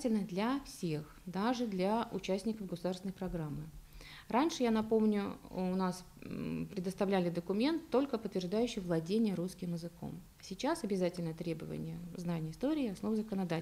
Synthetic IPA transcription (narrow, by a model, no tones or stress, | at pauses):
tʲɪlʲnəd̪lʲɐfsʲexd̪aʐɨd̪lʲɐʔʊ̰t͡ɕæsʲtʲnʲɪkəvɡəsʊd̪arsʲɪnjpɾɐɡɾamːɨ | ɾanʲʂɨjanɐpo̞mnʲʊʊnas | pɾʲɪd̪əst̪ɐvlʲælʲɪd̪əkʊmʲe̞nt̪ːo̞lʲkəpət̪vʲɪrʐd̪ajʉɕːɪjvlˠɐdʲenʲɪjəɾuskʲɪmɪzɨko̞̰m | sʲɪt͡ɕasɐbʲɪzatʲɪlʲnət̪ɾʲebəvə̰nʲɪjəznanʲɪjəɪst̪o̞ɾʲɪːɐsno̞vzəkənɐd̪a